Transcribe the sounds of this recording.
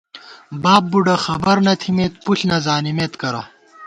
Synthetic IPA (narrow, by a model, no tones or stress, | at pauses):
baːb̚ːuɖɐxɐbɐɾnɐt̪ʰimeːt̪̚puɬnɐzaːnimet̪kɐɾɐ̰